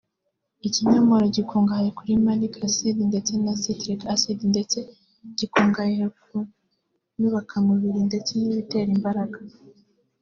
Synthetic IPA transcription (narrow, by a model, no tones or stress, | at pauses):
iciɲomoɾoɟikʰoːŋɡajekuɾimalikasidinde̞t͡se̞nasitɾikasidindet͡se̞ | ɟ̥ikoːŋɡajeku | nuβakʰamuβiɾinde̞t͡se̞niβite̞ɾimbaɾaɡa